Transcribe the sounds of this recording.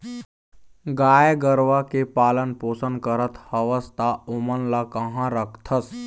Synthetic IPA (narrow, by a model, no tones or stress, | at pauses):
ɡaːjɡəɾʋakepaːlənpoːsə̃nd̪kəɾət̪ʰhɐʋəst̪aʊmənlakɐɦãɾəkʰt̪ʰəs